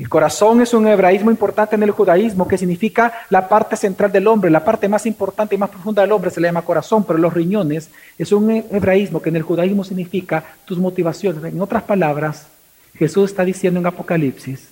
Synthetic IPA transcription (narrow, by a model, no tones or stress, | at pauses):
elko̞ɾaso̞ŋe̞suŋeβɾaizmoimpo̞ɾt̪ant̪ene̞lxuðaizmo̞ke̞siɡnifikalapaɾt̪e̞se̞nt̪ɾald̪e̞lo̞mbɾe̞lapaɾt̪e̞masimpo̞ɾt̪ant̪e̞imaspɾofũnd̪aðelo̞mbɾe̞selaʝamako̞ɾaso̞mpe̞ɾolo̞sriɲo̞ne̞s | e̞suŋeβɾaizmo̞kene̞lxuðaizmo̞sinifikat̪uzmo̞t̪iβasjo̞neseŋo̞t̪ɾaspalaβɾas | xe̞suse̞st̪aðisjend̪oeŋapo̞kalipsis